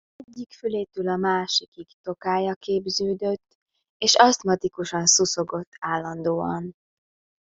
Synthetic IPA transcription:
ɛɟːikfyleːt̪ylɒmaːʃikikt̪o̞kaːjɒkeːbzøːd̪øt̪ː | eːʃɒst̪mɒt̪ikuʃɒnsuso̞ɡo̞t̪ːaːlːɒnd̪oːɒ̰n

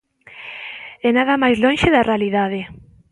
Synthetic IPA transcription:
ɛnaðamajzlonʃɪðarealiðaðɪ

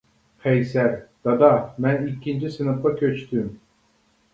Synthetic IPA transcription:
hɛjsæɾd̪̥ɑd̪amænicʰind͡ʒisinɯflˠakʰøt͡ʃt̪ʰym

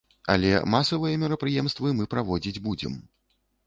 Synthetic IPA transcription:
ɐ̰lʲɛ̰masɐvɨjɐmʲiɾɐpɾɨjɛmst̪vɨmɨpɾavɔd͡zʲid͡zʲbud͡zʲɛ̰m

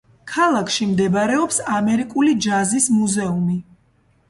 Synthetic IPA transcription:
kʰalˠakʰʃimd̪ɛbaɾɛɔpsamɛɾikʼulid͡ʒazismuzɛumi

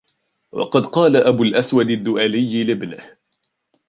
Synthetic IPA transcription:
wɑ̰qɑd̪qɑːlaʔabʊlʔaswad̪ad̪ːʊʔaːlɪjːlɪbnɪh

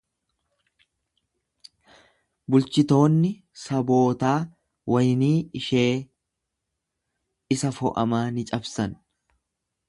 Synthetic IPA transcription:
bʊlt͡ʃɪt̪o̞ːnːɪ | sɐbo̞ːt̪aː | wɐjniːɪʃeː | ɪsɐfɔ̰ʔɐ̰maːnɪt͡ʃʼɐbsɐn

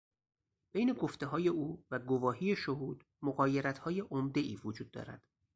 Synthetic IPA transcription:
b̥ejne̞ɡo̞ft̪e̞ɦɒːje̞uːvæɡovɒːhiːjeʃoɦuːd̪̥ | moɣɒːjeɾæt̪ʰhɒːjeʔomd̪e̞ʔiːvod͡ʒuːd̪̚ːɒ̰ːɾæ̰d̪̥

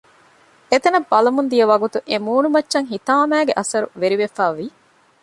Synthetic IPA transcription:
et̪ɐnɐbːɐlɐmund̪ijɐʋɐɡut̪uʔemuːnumɐt͡ʃːʃɐŋɦit̪aːmæːɡeʔɐsɐɾṵʋeɾiʋefæːʋi

